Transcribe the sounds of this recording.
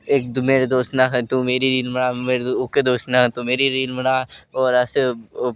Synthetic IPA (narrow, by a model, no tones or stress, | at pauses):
eːk̚d̪meːɾed̪oːsnaɦt̪ũmeːɾiɾiːlmɐɽameːɾʊked̪oːsnat̪umeːɾiɾiːlmɐɽaːɔːɾɐse